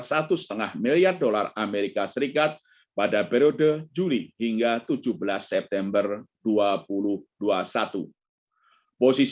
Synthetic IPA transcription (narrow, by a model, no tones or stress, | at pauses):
sat̪usə̥t̪əŋahmiliardola̰rameɾikasəɾikat̪̚ | padapeɾiodəd͡ʒulihiŋɡat̪ud͡ʒʊhbəlasːɛp̚t̪ɛmbərduapulʊhduasat̪ṵ | posis